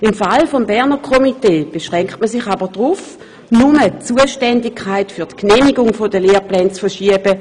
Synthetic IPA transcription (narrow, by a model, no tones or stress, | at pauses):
ɪmfalfombɛʁnəkʰɔmiteːb̥eʃʁɛŋktməsɪχabəd̥ʁuf | numət͡suəʃtɛndɪkʰːaɪtfyɐtkneːmiɡʊŋfodəleːplɛːnt͡sfəʃiəbə